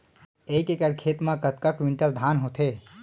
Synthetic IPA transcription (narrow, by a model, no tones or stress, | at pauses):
eːkekəɾkʰeːt̪mãkət̪̚kakʋiɳʈəld̪ʱaːnɦot̪ʰe